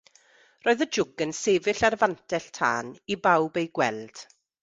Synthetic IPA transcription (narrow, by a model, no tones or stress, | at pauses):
roːɨðəd͡ʒʊɡənseːvɪɬarvantʰɛɬtʰa̰ːnibawbejɡwɛlˠd̥